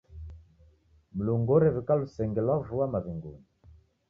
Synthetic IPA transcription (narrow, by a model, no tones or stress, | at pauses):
muluŋɡɔɾɛvikalusɛŋɡɛlwavuamaviŋɡuni